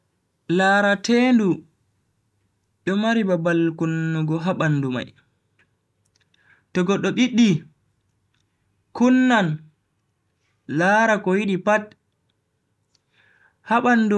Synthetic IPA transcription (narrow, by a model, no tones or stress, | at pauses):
laɾateːndu | ɗɔmaɾibabalkunːuɡɔɦaɓanːduma̰j | tɔɡɔɗɔɓiɗːi | kunːan | laɾakɔwiɗipat | haɓanːdu